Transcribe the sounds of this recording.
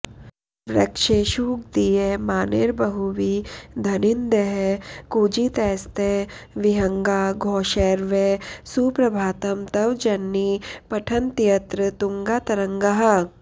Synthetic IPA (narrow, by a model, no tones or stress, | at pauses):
ʋɾɐ̰kʃeːʃuːɡ̚d̪iemaːneːɾbɐɦuʋid̪ʱɐnɪnd̪eɦkuːd͡ʒit̪ɛːst̪eʋɪɦɐŋɡaːɡʱoːʃeːɾʋesupɾɐbʱaːt̪ɐmt̪ɐʋd͡ʒɐnːipɐʈʰɐnt̪ijɐt̪ɾət̪uŋɡaːt̪ɐɾɐ̃ŋɡɐɦɐ